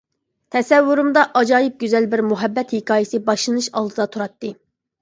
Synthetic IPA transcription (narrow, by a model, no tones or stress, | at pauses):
t̪ʰɛsɛvːuɾumd̪ɑʔɑd͡ʒɑːjip̚ɡʲyzɛlbɪɾmuɦɛbːɛt̪hɪkʰɑːjɪsɨbɑʃlˠɨnɨʃɑ̰lˠd̪ɨd̪ɑt̪ʰuɾɑt̪ːɨ